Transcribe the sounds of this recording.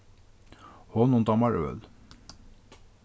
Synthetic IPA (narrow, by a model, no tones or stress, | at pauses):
hɔnɔnd̪ɑmɑɹø̰l